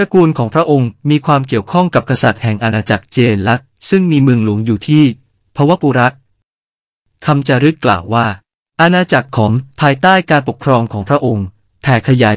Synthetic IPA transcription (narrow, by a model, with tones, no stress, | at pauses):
pɾa˧kuː˧nkʰɔː˩˦ŋpʰɾa˦˥ʔo˧ŋmiː˧kʰwaː˧mki˨˩əwkʰɔ˥˩ŋka˨˩p̚kʰa˧sa˨˩t̪̚hɛ˨˩ŋʔa˧naː˧t͡ɕa˨˩k̚t͡ɕeː˧nla˦˥k̚sɯ˥˩ŋmiː˧mɯ˧əŋlu˩˦əŋjuː˨˩t̪ʰiː˥˩ | pʰɔ˦˥waː˥˩puː˧ɾa˦˥k̚ | kʰa˧mt͡ɕa˨˧ɾɯ˦˥t̪̚kla̰ː˨˩wːaː˥˩ | ʔa˧naː˧t͡ɕa˨˩kʰːɔː˩˦ŋpʰaː˧jt̪aː˥˩jkaː˧npo˨˩kʰɾɔː˧mkʰɔː˩˦ŋpʰɾa˦˥ʔo˧ŋ | p̪ʰɛː˨˩kʰa˧jaː˩˦j